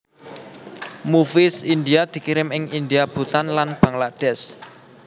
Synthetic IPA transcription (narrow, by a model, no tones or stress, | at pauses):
mufɪsind̪iad̪̥i̤kiɾɪmɪŋind̪iab̥ṳt̪anlanb̥a̤ŋlad̥ɛs